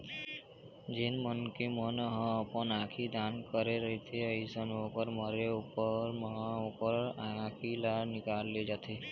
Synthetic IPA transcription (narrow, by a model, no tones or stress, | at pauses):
d͡ʒɪnmənkemənɦə̃əpənãːkʰid̪ʱaːnkəɾeɾəɦet̪ʰeəisənõkəɾməɾeupəɾməɦãʊpəɾakʰilanɪkaːlːed͡ʒat̪ʰe